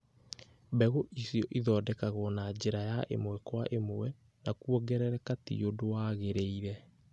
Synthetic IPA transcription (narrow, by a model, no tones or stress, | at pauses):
bɛɣoʔisjɔʔiðɔːdɛkaɣɔnad͡ʑeɾajaʔḛmwɛkwaʔemoɛ | nakuɔɡɛɾɛɾɛkatḭodowaɣeɾeiɾɛ